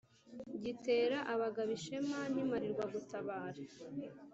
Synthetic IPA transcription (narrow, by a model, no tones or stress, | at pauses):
ɟite̞ːɾaʔaβaɡaβiʃe̞manimaɾiɾɡwaɡutʰaβaːɾḁ